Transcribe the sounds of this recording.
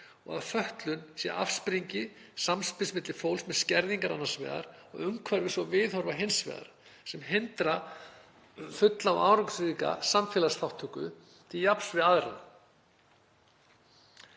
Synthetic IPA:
ɔ̰ɣaðfœht̪lʏnsjɛ̰ʔa̰fspɾiɲcɪsamspɪlsmɪt̪lɪfowlsmɛðscɛɾðiŋkaɾa̰nːasvɛ̰ːða̰ɾɔ̰ɣʏmkʰvaɾvɪsvɔvɪðhɔɾvaɦensvɛ̰ːða̰ɾ | sɛmɦɪnt̪ɾa | fʏt̪laɔ̰ʔa̰ːwɾaksika̰samfɛːlasθawht̪ʰʏkʏ̰ | t̪ʰɪljapsvɪðaðɾa̰n

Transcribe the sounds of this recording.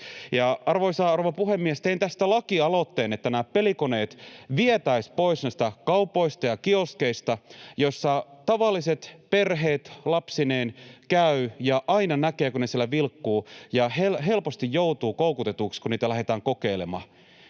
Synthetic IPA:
jɑɑrʋoisɑroʋɑpuhemːiest̪eint̪æst̪ælɑkiɑlot̪ːeːnet̪ːænæːpelikoneːt̪ʋiet̪æispoisnæist̪ækɑupˑoist̪ɑjɑkioskeist̪ɑjosːɑt̪ɑʋɑlːiset̪perɦeːt̪lɑpsineːnkæyjɑʔɑinɑnækeːkunesiɛlæʋilkːuːjɑhelɦe̞lpost̪ijjout̪uːkoukut̪et̪uːkskuniːt̪ælæɦet̪æːŋkokeilemɑ̰ː

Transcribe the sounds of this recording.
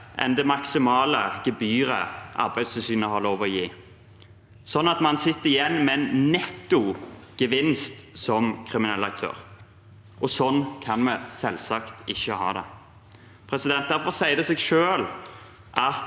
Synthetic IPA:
ʔɛ̰nd̪ɛmɑksɪmɑːləɡ̥əbyːɾə̰ʔɑ̰ɾbæɪst̪ʰɪlsyːnəhɑʁloːʋɔjiː | sɔnːɑt̪mɑnsɪt̪ːəɾɪjɛnːmɛnnɛt̪ːʊɡ̥əʋɪnst̪sɔmkʰʁɪmɪnɛlɑk̚t̪ʰø̰ːʁ | ʔɔsɔnːkʰɑnmɛsɛlsɑkt̪ɪçːəhɑ̰ːd̪ɛ̰ | pʰɾɛsɪd̪ɛnt̪̚d̪æɾfɔʁsæɪd̪ɛseːɡʃøːl | ʔɑt̪

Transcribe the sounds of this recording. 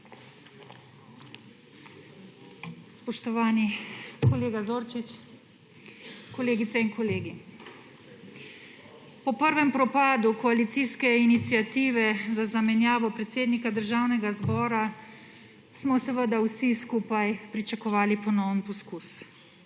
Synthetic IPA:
spɔʃt̪ɔʋaːnikɔleːɡazoːɾt͡ʃit͡ʃ | kɔleːɡit̪sɛinkɔleːɡi | pɔpəɾʋɛmpɾɔpaːd̪ukɔalit̪siːskɛinit̪sjat̪iːʋɛzazamɛnjaːʋɔpɾɛt̪seːd̪nikad̪əɾʒaːwnɛɡazbɔːɾa | smɔsɛʋəd̪awsiskuːpajpɾit͡ʃakɔʋaːlipɔnɔwənpɔskus

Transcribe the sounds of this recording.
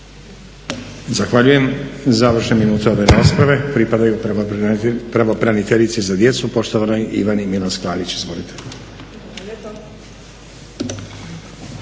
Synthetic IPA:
zaxʋaʎuje̞mzaʋr̩ʃneminuːt̪e̞o̞ʋe̞ɾaːspɾaʋe̞pɾipad̪aju | pɾaʋo̞pɾanit̪eʎit̪sizad̪je̞t̪supo̞ʃt̪o̞ʋanojʔḭʋanimilansklaːlit͡ɕizʋo̞lit̪ʰe

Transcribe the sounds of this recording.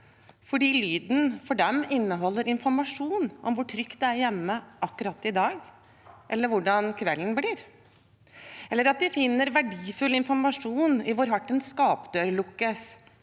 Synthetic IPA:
fɔɖiːlyːd̪n̩fɔɖɛmɪnːəɦɔlːəɾɪnfɔɾmɑʂuːnʔɔmʋʊʈʰɾʏkt̪̚d̪ɛæɾjɛmːəʔɑkːʉɾɑt̪ːɪd̪ɑːɡ | ʔɛlːəɾʋʊɖɑnkʰʋɛlːn̩bliːɾ | ʔɛlːəɾɑt̪̚d̪ɪfɪnːəɾʋæɖiːfʉlːɪnfɔɾmɑʂuːnɪʋʊɾɦɑʈːənskɑːpd̪øːɾlʊkːəs

